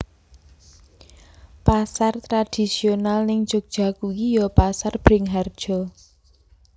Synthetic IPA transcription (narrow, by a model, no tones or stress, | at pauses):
pasart̪ɾad̥i̤sionalnɪŋt͡ʃok̚d̥ʒ̥a̤kujijɔpasarb̥ɾɪŋɦard̥ʒ̥ɔ